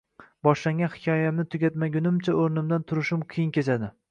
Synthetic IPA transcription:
bɒʃlaŋɡʲanhɪ̥kʲʰɒjamnɪt̪ʰʊɡʲat̪maɡʲʊnɪmt͡ʃʰaoɾnɪmd̪ant̪ʰʊɾɪʃɪmqʰɨjɪnkʲe̞t͡ʃʰad̪ɪ

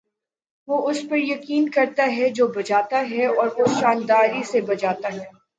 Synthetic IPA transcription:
ʋoːʔʊspɐɾjɐkiːnkɐɾt̪aɦɛd͡ʒoːbɐd͡ʒaːt̪aɦɛɔːɾʊsʃaːnd̪aːɾisebɐd͡ʒaːt̪aɦɛː

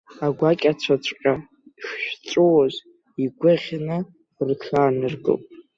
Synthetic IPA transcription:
aɡʷakʲʼat͡ɕʷʰat͡ɕʷʰʼqʲʼa | ʃʷᶣt͡sʷʼowaz | iɡʷʊʁʲnɨ | rtʰaːnɨrɡɨ̰pʼ

